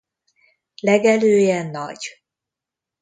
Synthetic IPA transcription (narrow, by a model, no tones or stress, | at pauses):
lɛɡɛløːjɛnːɒ̰ɟ